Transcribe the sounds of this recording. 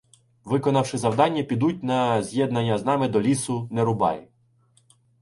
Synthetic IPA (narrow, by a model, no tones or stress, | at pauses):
ʋɪkɔnɐwʃɪzɐwd̪ɑnʲːɐpʲid̪ut̚ʲnɐzʲjɛd̪nɐnʲːɐznɑmɪd̪ɔlʲisʊneɾʊbɑ̰j